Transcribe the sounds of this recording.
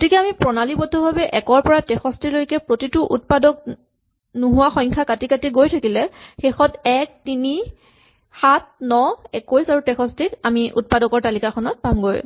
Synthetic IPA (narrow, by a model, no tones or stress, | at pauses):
ɡotikɛamipɹɔnalibɔdʱɔbʱabɛʔɛkɔɹpɔɹatɛxɔstilojkɛpɹotitʊʔut̚padɔk̚ | nuɦʊwaxɔjŋkʰakatikatiɡojtʰakilɛxexɔtɛk̚tini | xat̚nɔɛkojsaɹutɛxʰɔstikamiʔṵt̚padɔkɔɹtalikaxʰɔnɔt̚pamɡoj